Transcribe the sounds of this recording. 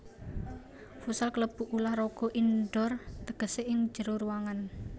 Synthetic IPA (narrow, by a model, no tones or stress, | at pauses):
fusalkələb̥ṳʔulahrɔɡ̥ɔʔinɖɔrt̪əɡ̥ə̤seʔɪŋ̥d͡ʒəɾoɾuwaŋan